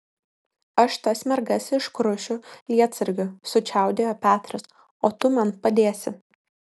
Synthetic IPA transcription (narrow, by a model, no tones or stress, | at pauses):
ɐʃt̪ɐsʲmʲɛɾɡɐsɪʃkɾʊʃʲʊlʲiɛt̪sɐɾʲɡʲʊsʊt͡ʃʲæˑʊd̪ʲeːjoːpʲæːt̪ɾɐs | oːt̪ʊmɐnpɐd̪ʲeːsʲɪ